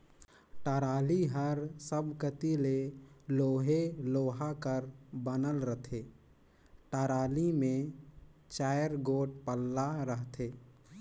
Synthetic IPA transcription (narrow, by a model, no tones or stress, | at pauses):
ʈaːɾaːliɦəɾsəbkət̪ileloːɦeloːɦakəɾbənəlɾət̪ʰeː | ʈaːɾaːlimẽ | t͡ʃaːjəɾɡoːʈ̚pəlːaɾəɦt̪ʰeː